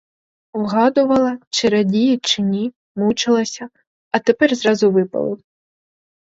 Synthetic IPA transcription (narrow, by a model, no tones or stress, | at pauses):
wɦɑd̪ʊʋɐlˠɐt͡ʃɪɾɐdʲijit͡ʃɪnʲi | mut͡ʃɪlˠɐsʲɐ | ɐt̪epɛrzɾɑzʊʋɪpɐ̰lˠɪ̰w